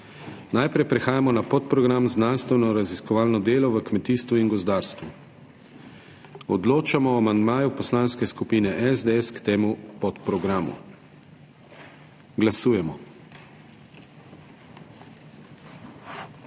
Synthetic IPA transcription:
najpɾɛjpɾɛxaːjamɔnapɔt̪pɾɔɡɾamznanst̪ʋɛnɔɾaziskɔʋaːlnɔd̪eːlɔʋəkmɛt̪iːst̪ʋuinɡɔzd̪aːɾst̪ʋu | ɔd̪loːt͡ʃamɔamand̪maːjupɔslanskɛskupiːnɛʔɛzd̪eɛskt̪eːmupɔt̪pɾɔɡɾaːmṵ | ɡlasuːjɛmɔ

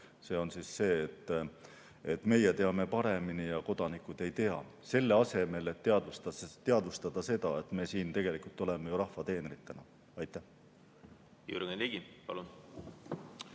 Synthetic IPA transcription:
se̞ːo̞nsiːsse̞ːt̪ːˑ | et̪ːme̞jet̪e̞ɑme̞pɑɾe̞minijɑko̞d̪ɑnikːˑud̪̥e̞jt̪e̞ɑ̰ | se̞lːe̞ɑse̞me̞le̞t̪ːeɑd̪ust̪t̪eɑd̪ust̪ɑd̪̥ɑse̞d̪̥ɑe̞t̪ˑme̞ːsiːnt̪e̞ɡ̥e̞likult̪ːˑo̞le̞mejuɾɑhfɑt̪e̞ːneɾit̪ːenɑ | ɑjt̪ːˑæh | jṵɾɡenliɡ̥ipɑ̰lun

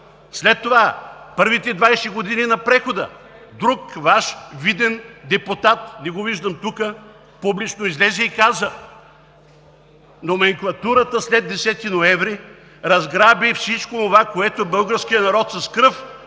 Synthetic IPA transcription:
slɛt̪ːovapɤɾvit̪ɛd̪vajsɛɡod̪ininɐpɾɛxod̪ə̰ | d̪ɾukvaʃvid̪ɛnd̪ɛput̪at̪nɛɡoviʒd̪əmt̪ukə | publit͡ʃnoizlɛzɛikazə | nomɛŋklˠɐt̪uɾət̪əslɛd̪ːɛsɛt̪inoɛvɾi | ɾɐzɡɾabifsit͡ʃkoːnovakoɛt̪obɤlˠɡəɾskʲijənɐɾɔt̪sɐskɾɤf

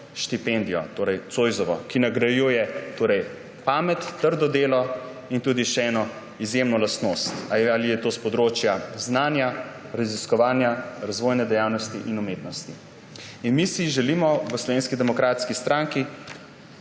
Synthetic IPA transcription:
ʃt̪ipɛnd̪ijɔ̰t̪oːɾɛjt̪sojzɔʋɔkinaɡɾajujɛt̪oːɾɛj | paːmɛt̪ːəɾd̪ɔd̪eːlɔ | int̪uːd̪iʃɛɛːnɔ | izjemnɔlasnoːst̪alijɛt̪oːspɔd̪ɾoːt͡ʃjaznaːnja | ɾaziskɔʋaːnjaɾazʋoːjnɛd̪ɛjawnɔst̪iʔinumeːt̪nɔst̪i | inmisiʒɛlimɔʋəslɔʋenskid̪ɛmɔkɾaːt̪skist̪ɾaŋki

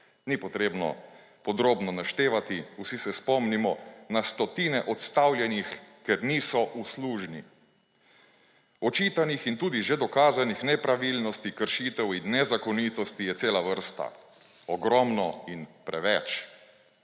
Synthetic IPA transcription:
nipɔt̪ɾeːbnɔ̰ | pɔd̪ɾoːbnɔnaʃt̪eːʋat̪iusisɛspɔmnimɔnast̪ɔt̪iːnɛʔɔt̪st̪awljɛnixkɛɾniːsɔʔusluːʒnḭ | ɔt͡ʃiːt̪anixint̪uːd̪iʒɛd̪ɔkaːzanixnɛpɾaʋilnɔst̪ikəɾʃiːt̪ɛwinːɛzakɔniːt̪ɔst̪ijɛt̪seːlaʋəɾst̪a̰ | ɔɡɾɔmnɔinpɾɛʋɛt͡ʃ

